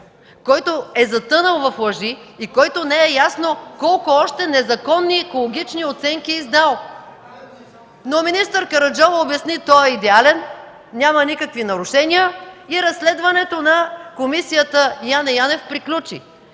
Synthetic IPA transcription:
kɔjt̪oɛzɐt̪ɤnəlˠvɐflˠɐʒiːkɔjt̪onɛɛjasnokɔlˠkʊɔʃt̪ɛnɛzɐkɔnːiːkolˠoɡʲit͡ʃniot̪sɛŋkiizd̪alˠ | nominist̪əɾkɐɾɐd͡ʒɔvəobjɐsnit̪ɔɛid̪ɛalɛn | nʲamənikəkvinɐɾʊʃɛnʲiəiɾɐsːlɛd̪vɐnɛt̪onɐkomisijət̪əjanɐjanɛfpɾiklʲut͡ʃḭ

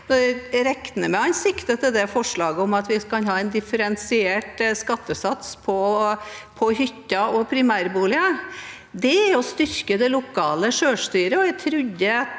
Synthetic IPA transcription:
nɔɾɛkt̪ənəmɛɑnsɪkt̪ət̪ʰɪld̪ɛfɔʂɭɑːɡəɔmɑt̪ʋɪkʰɑnɦɑːɛnd̪ɪfəɾɛnsɪeːʈskɑt̪ːəsɑt̪spʰɔ | pʰɔhʏt̪ːɑɔpʰɾɪmæːɾbuːlɪə | d̪ɛæɔst̪ʏɾkəd̪ɛlʊkʰɑːləʂøːʂt̪yːɾəɔæɪt̪ʰɾʉd̪ə

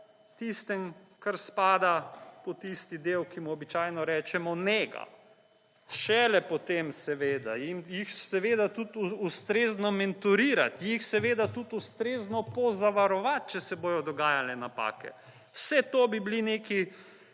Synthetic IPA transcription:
t̪ist̪ɛmkaɾspaːd̪apɔt̪ist̪id̪eːwkimuɔbit͡ʃaːjnɔɾɛːt͡ʃɛmɔnɛɡa̰ | ʃɛlɛpɔt̪emsɛʋeːd̪ainjixsɛʋeːd̪at̪ut̪ust̪ɾeːznɔmɛnt̪uɾiːɾa̰t̪jixsɛʋeːd̪at̪ut̪ust̪ɾeːznɔpɔzaʋaɾɔʋat̪̚t͡ʃɛsɛboːjɔd̪ɔɡaːjalɛnapa̰ːkɛ̰ | wsɛt̪oːbiblineːki

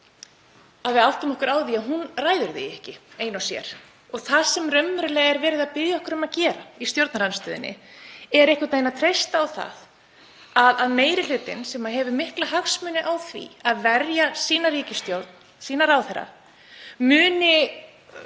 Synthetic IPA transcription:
aðvɪal̥t̪anɔhkʏɾaːwðiaðɦunraːjðʏɾðɪ̰jɛhcɪeːjnawsjɛ̰ɾ̥ | ɔɣθasɛmrœmːʏɾʏlɛːɣɛɾvɛːɾɪðaðpɪðjaɔhkʏɾʏmaðcɛːɾaist̪jowɾt̪naɾanst̪œːðɪ̰nːɪ̰ɛɾɛhkat̪aːjnat̪ʰɾejst̪aːwθa̰ð | aðaðmeːjɾɪl̥ʏːt̪ɪ̰nsɛmaɦɛvʏmɪhklaɦaxsmʏːnɪʔawθvḭaðvɛɾjasiːnariːcɪst̪jowɾt̪n | siːnaɾaːwθɛɾa̰ | mʏːnɪ

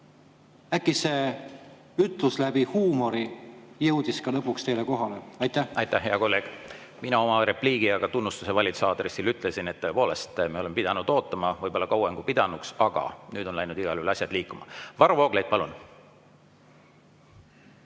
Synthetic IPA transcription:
ækːise | yt̪luslæb̥ihuːmo̞ɾijɤwd̪̥iskɑlɤpːukst̪e̞jleko̞ɦɑleɑjt̪ːæhɑjt̪ːæhɦe̞ɑko̞lːe̞ːɡ̥ | minɑo̞mɑɾe̞pliːɡ̥iɑɡ̥ɑt̪unːust̪usevɑlʲit̪sɑːd̪̥resːilyt̪ˑle̞sine̞t̪ːɤ̞e̞po̞ːle̞st̪mieo̞lemepid̪̥ɑnud̪̥o̞ːt̪ːˑɑmɑvɤjbolːɑkɑweŋɡ̥upid̪̥ɑnuksɑɡ̥ɑ̰nyːd̪̥o̞nlɑjnud̪̥iɡ̥ɑlylɑsʲjɑd̪̥liːkːˑumɑ̰vɑɾovo̞ːɡ̥lejd̪̥̚pɑlun

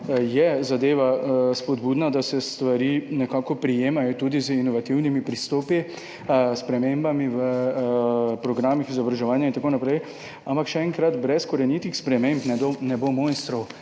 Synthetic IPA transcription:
jɛzad̪eːʋaspɔd̪buːd̪nad̪asɛst̪ʋaɾiːnɛkaːkɔpɾijeːmajɔt̪uːd̪izəinɔʋat̪iwnimipɾist̪oːpi | spɾɛmembamiʋə | pɾɔɡɾaːmixizɔbɾaʒɛʋaːnjaint̪akonapɾɛj | ampakʃɛɛŋkɾat̪bɾɛskɔɾɛnjiːt̪ixspɾɛmempnɛd̪onɛbomonst̪ɾɔw

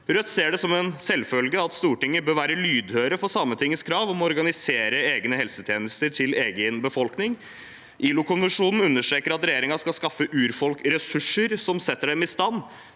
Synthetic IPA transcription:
ɾœt̪ːseːɖɛsɔmɛnsɛlfœlɡəɑt̪st̪uːʈɪŋːəbøːɾʋæːɾəlyːd̪høːɾəfɔsɑmːət̪ʰɪŋːəskʰɾɑːʋɔmɔɾɡɑnɪseːɾəeːɡnəhɛlsət̪ʰjeːnəst̪əʈʰɪleːɡənbəfɔlknɪŋ | ʔiːlʊkʰʊnʋɛnʂuːnn̩ʉnːəʂʈɾeːkəɾɑt̪ɾɛjeːɾɪŋɑskɑlskɑfːəʔʉːɾfɔlkɾɛsʉʂːəɾsɔmsɛt̪ːəɖɛmɪst̪ɑnː

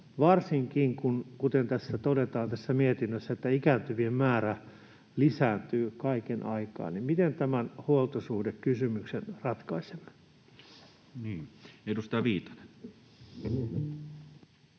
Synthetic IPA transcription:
ʋɑrsiŋkiŋkunkut̪ent̪æsːæt̪odet̪ɑːnt̪æsːæmiet̪inːøsːæet̪ːæikæːnt̪yʋiemmæːræ | lisæːnt̪yːkɑikenʔɑikɑ̰ːnnimmit̪ent̪æmænhuolt̪osuhdekkysymyksenrɑt̪kɑisem | niːeˑit̪usit̪æʋiːt̪ɑ̥ne̥

